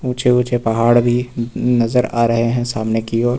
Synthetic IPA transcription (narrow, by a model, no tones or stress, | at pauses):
ũːt͡ʃeũːt͡ʃepɐɦaːɽbʱinɐzəɾaːɾɐɦeɦɛ̃saːmnekiɔːɾ